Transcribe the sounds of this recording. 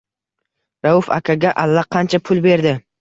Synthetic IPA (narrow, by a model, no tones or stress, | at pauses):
ɾaʊfa̰kʲʰaɡʲaʔalːaqʰɑnt͡ʃʰapʰʊlbe̞ɾd̪ɪ